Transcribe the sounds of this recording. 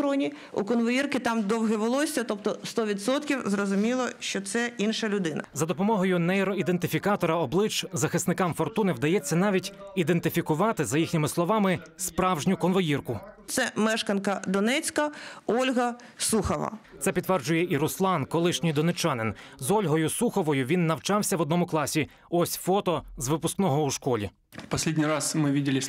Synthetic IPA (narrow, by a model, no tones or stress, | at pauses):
ɾɔnʲi | ṵkɔnʋɔjirkɪt̪ɑmd̪ɔwɦɛʋɔlˠɔsʲɐt̪ɔpt̪ɔst̪ɔʋʲid̪sɔt̪kʲiwzrɔzʊmʲilˠɔʃt͡ʃɔt̪sɛinʃɐlʲʊd̪ɪnɐ̰zɐd̪ɔpɔmɔɦɔjʊnɛɾɔid̪ent̪ɪfʲikɑt̪ɔɾɐɔblˠɪt͡ʃzɐxɪsnɪkɑmfɔrt̪unɪʋd̪ɐjɛt͡sʲːɐnɑʋʲitʲid̪e̞nt̪ɪfʲikʊʋɑt̪ɪzɐjixnʲɪmɪslˠɔʋɑmɪspɾɑwʒnʲʊkɔnʋɔjirkʊt̪sɛmɛʃkɐnkɐd̪ɔnɛt͡sʲkɐɔlʲɦɐ | suxɔʋɐ̰t̪sɛpʲid̪t̪ːʋɛrd͡ʒʊjɛʔiɾʊslˠɑnkɔlˠɪʃnʲɪjd̪ɔnet͡ʃɑnɪnzɔlʲɦɔjʊsuxɔʋɔjʊʋʲinːɐwt͡ʃɑwsʲɐʋɔd̪nɔmʊklˠɑsʲi | ɔsʲfɔt̪ɔzʋɪpʊsknɔɦɔuʃkɔlʲḭ | pɐsʲlʲedʲnʲijɾasmɪʋʲidʲɪlʲɪ